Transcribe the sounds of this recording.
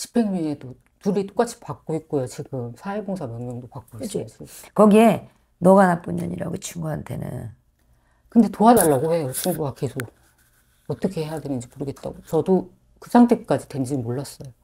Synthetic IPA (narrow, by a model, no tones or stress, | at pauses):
t͡ɕʰi̥pʰe̞ŋɲʌne̞do | nuɾit͈ok͈at͡ɕʰi̥pak̚k͈oit̚k͈ojot͡ɕiɡɯmsʰaeboŋsʰamjʌŋɲʌŋdopak͈̚oiss͈ʌjo | kʌɡie | nʌɡanap͈uɲːʌ̰ɲḭɾa̰ɡot͡ɕʰuŋɡuɦantʰe̞̰nɯ̰n | kɯnde̞toɦadaɭːaɡohe̞jot͡ɕʰuŋɡuɡake̞sʰoɡ̚ | ʌt͈ʌkʰe̞he̞jadwenɯnd͡ʑimoɾɯɡe̞t̚t͈a̰ɡot͡ɕʌdo | kɯsʰaŋtʰek͈ad͡ʑitwe̞nd͡ʑimoɭːas͈ʌjo